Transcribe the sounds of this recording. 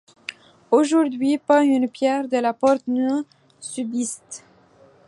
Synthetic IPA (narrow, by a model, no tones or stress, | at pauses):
oʒuʁd̪ɥipɑ̃ynpjɛʁd̪əlapɔʁt̪ny | sybist̪